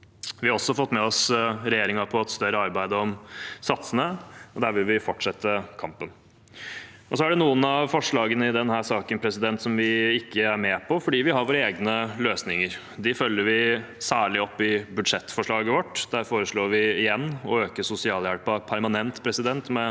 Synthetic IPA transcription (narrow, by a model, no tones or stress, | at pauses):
ʋɪhɑɾɔsːɔfɔt̪ːmɛɔsɾɛjeːɾɪŋɑpʰɔɑt̪st̪œɾəɑɾbæɪd̪əɔmsɑt̪sənəɔd̪æːɾʋɪlʋɪfɔʈːʂɛt̪ʰːəkʰɑmpən | ʔɔsɔæɖɛnuːənɑʋfɔʂɭɑːɡənəɪd̪ɛnhæːʂɑːkənpʰɾɛsɪd̪ɛnt̪sɔmʋɪɪkːəæɾmɛːpʰɔfɔɖiːʋɪɦɑɾʋoːɾəeːɡnəløːsnɪŋəɾ | d̪ɪfœlːəɾʋɪsæːɭɪɔpːɪbʉd̪ʂɛt̪ːfɔʂɭɑːɡəʋɔʈːd̪̥æːɾfoːɾəʂɭoːɾʋɪɪjɛnːɔøːkəsʊsɪɑːljæɽpɑpʰæɾmɑnɛnt̪pʰɾɛsɪd̪ɛnt̪mɛ